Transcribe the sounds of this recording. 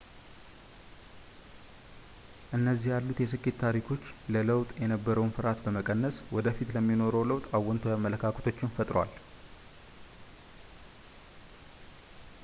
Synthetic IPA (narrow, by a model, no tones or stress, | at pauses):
ʔɨnːəzːihjalːut̪jɛs̬ɨkʼːet̪ːʰaɾikʰo̞t͡ʃːlələwt̪ʼjɛnəbːəɾəwnfɨɾat̪bəməkʼənːəswɔd̪əfit̪ləmːino̞ɾəwləwt̪ʼawːɔnt̪ʰojamːələkʰakʰət̪ʰo̞t͡ʃːɪnfət̪ʼɾwa̰l